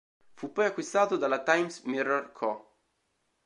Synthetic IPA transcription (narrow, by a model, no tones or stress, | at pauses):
fupːɔjakːwist̪aːt̪od̪alat̪ajmsmirːorkʰɔ